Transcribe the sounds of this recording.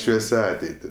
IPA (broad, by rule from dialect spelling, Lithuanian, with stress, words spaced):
ˈʃʲʋʲiɛsʲɛ ˈɑːtʲɛɪtʲɪ